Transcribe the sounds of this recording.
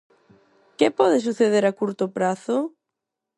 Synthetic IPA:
kepɔðesuθeðeɾakuɾt̪opɾaθo

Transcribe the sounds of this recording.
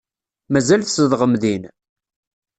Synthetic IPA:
mæzælθsəðʁəmðin

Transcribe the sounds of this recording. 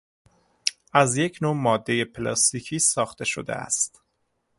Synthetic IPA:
ʔæzje̞cʰnoːmɒːd̪ːe̞jepʰelɒ̰st̪iːcʰiːsɒːxt̪e̞ʃo̰d̪ḛæ̰st̪

